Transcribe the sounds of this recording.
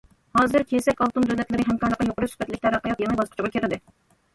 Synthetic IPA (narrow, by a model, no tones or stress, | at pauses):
hɑːzɨɾkʲʰesɛkʲɑlˠt̪umd͡ʒ̪olɛt̪lɪɾɪɦɛmqʰɑɾlˠəqːɑjoqʊɾuʃsu̥bɛt̪lɪk̚ʲt̪æɾɑqːɑjɑt̪jɛŋbɑsqʰt͡ʃʰɪblkʰʲeɾɪd̪ɪ